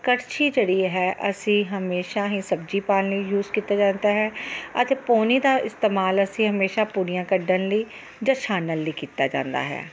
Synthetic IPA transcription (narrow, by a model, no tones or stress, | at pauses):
kəɾt͡ʃiːd͡ʒeːɽiːɦɛːʔəsĩːɦəmeːʃaːɦĩːsəbd͡ʒiːpaːləiːjuːzkiːt̪aːd͡ʒãːnd̪aːɦɛːət̪eːpoːniːd̪aːʔɪst̪eːmaːləsĩːɦəmeːʃaːpuːɾijãːkəɖənləiː | d͡ʒãːʃaːnənləiːkiːt̪a̰ːd͡ʒã̰ːnd̪a̰ːɦɛ̰ː